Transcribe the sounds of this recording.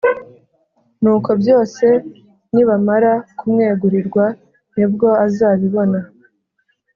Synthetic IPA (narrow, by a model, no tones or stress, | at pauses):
nuːko̞bjo̞ːse̞ | niβamaɾakumŋe̞ːɡuɾiɾɡwa | nib̚ɡo̞azaːβiβo̞na